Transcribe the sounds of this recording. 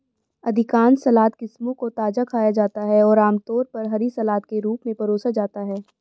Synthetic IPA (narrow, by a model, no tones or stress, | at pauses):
ɐd̪ʱɪkaːnsɐlaːt̪kɪsmõkot̪aːd͡ʒakʰaːjad͡ʒaːt̪aɦɛɔːɾaːmt̪ɔːɾpɐɾɦɐɾisɐlaːt̪̚keɾuːpmẽpɐɾoːsad͡ʒaːt̪aɦɛː